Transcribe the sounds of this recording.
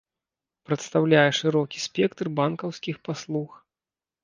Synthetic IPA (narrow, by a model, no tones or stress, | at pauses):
pɾɐt̪st̪awlʲajɛʂɨɾɔkʲisʲpʲɛkt̪rbankɐwsʲkʲixpaslˠux